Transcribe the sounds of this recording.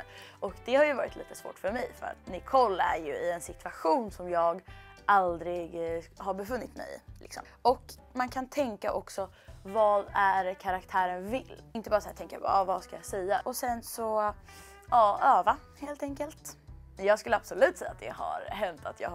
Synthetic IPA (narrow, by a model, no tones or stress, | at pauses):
ʔɔkd̪ɛhaɾjɵvɑːɾɪt̪lḭːt̪ə̥svo̰ːʈfœɾmɛjfœ̰ɾa̰t̪nɪkʰɔlːæ̰ɾjɵɪɛnsɪt̪ʰʉ̥vaɧuːnsɔmjɑːɡʔald̪ɾɪɡɦaɾbɛfɵnːɪt̪mɛ̰jlɪ̰ksɔ̰mɔk | mankʰant̪ʰɛŋkaʔɔksɔ | vɑːd̪æɾkʰaɾakt̪ʰæːɾənvɪlːɪnt̪əbɑːɾsaæːt̪ʰɛŋkajabɑ̰ːɾavaskajɑsɛjːaʔɔsɛnsɔ | ɑːɑːva | heːlt̪ɛŋkəlt̪jɑːɡskɵlːəabsɔlʉ̟ːt̪sɛjːat̪d̪ɛ̰ha̰ɾɦɛnt̪at̪jɑ̰ːɡ